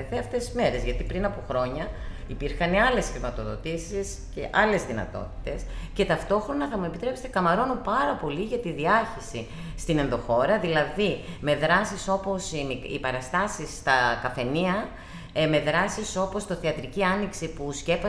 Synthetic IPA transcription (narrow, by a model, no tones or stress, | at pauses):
ðeɐft̪esizme̞ɾe̞zʝɐt̪ipɾinɐpoxɾo̞ɲɐ | ipiɾxɐneɐle̞sxɾimɐt̪o̞ðo̞̰t̪isis | cḛʔɐle̞zðinɐ̰t̪o̞̰t̪i̥t̪e̞sce̞t̪ɐft̪o̞xɾo̞nɐθɐmue̞pit̪ɾe̞pse̥t̪ekɐmɐɾo̞nupɐɾɐpo̞liʝɐt̪iðiɐçisi | st̪ine̞nðoxo̞ɾɐðilɐðime̞ðɾɐsiso̞po̞simiḭpɐɾɐst̪ɐsist̪ɐkɐfe̞niɐ | me̞ðɾɐsiso̞po̞st̪oθeɐt̪ɾiciɐniksipusce̞pɐ